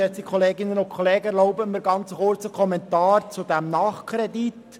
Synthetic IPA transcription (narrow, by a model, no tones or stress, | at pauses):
ɛt͡sikʰɔleːɡɪnənʊnkʰɔleːɡəlɔʊbəmiːɾɡɑnt͡səχʊrt͡səkʰχɔmɛntɑːɾt͡sud̥̪æmnɑːχkʰɾɛdit